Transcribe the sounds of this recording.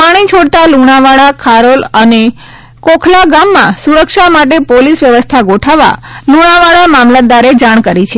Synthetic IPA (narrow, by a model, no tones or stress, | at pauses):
paɽ̃it͡ʃʰoɽt̪aluɽ̃aʋaɭakʰaɾoləne | kokʰlaɡamːãsuɾəkʃamaʈepolisʋjəʋəst̪ʰaɡoʈʰaʋa̰luɽ̃aʋaɭamamlad̪aɾed͡ʒaɳkəɾit͡ʃʰe